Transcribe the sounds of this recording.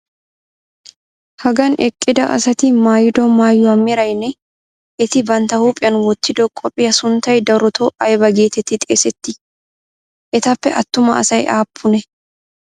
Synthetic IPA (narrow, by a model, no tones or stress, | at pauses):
hɐɡɐnɛkʼːɪd̪ɐʔɐ̰sɐt̪ɪmaːjɪd̪omaːjːɔɐmːɪɾɐjnɛ | ʔɛt̪ɪbɐnt̪ɐhuːpʼɪjɐnwɔt̪ːɪd̪ɔkʼɔpʼːɪjɐsʊnt̪ɐjd̪ɐɾɔt̪ʰoʔɐjbɐɡeːt̪ɛt̪ːɪt̪ʼɪsɛt̪ːɪ | ʔɛt̪ɐpːɛʔɐt̪ːʊmɐɐ̰sɐjʔaːpʰːʊnɛ